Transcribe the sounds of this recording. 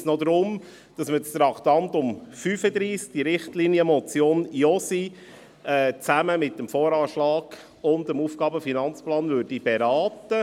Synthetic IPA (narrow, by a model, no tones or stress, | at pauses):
snɔd̪ɾʊm | d̥ɑsməst̪ɾɑktɑntʊmfyːfəd̪ɾiːsk̚d̥iɾɪχtliːniəmɔt͡sjoːniɔsi | ɛt͡sæməmɪtːəmfɔːɾɑːʃlɑːɡ̥ | ʊndəmuːfɡ̥ɑːbəfinɑnt͡splɑːnvøɾdib̥ɛɾɑːtə